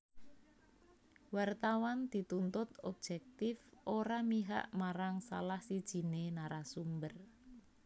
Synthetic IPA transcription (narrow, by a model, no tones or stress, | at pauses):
wart̪awand̪̥i̤t̪unt̪ʊt̪ɔb̥̚d͡ʒʒ̥ɛk̚t̪ɪfʔoɾamiɦa̰ʔmaɾaŋsa̰lahsid̥ʒ̥i̤nenaɾasumbər